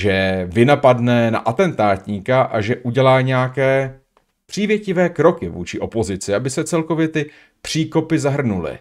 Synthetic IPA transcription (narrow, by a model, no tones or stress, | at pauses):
ʒɛvɪnapadnɛna̰ʔat̪ɛnt̪aːt̪ɲikaʔaʒɛʔuɟɛlaːɲɛakɛː | pr̝̥iːvjɛcɪvɛːkɾo̞kɪvṵːt͡ʃɪʔo̞po̞zɪt͡sɪabɪsɛt͡sɛlko̞vjɛt̪ɪ | pr̝̥iːko̞pɪzaɦr̩nulɪ̰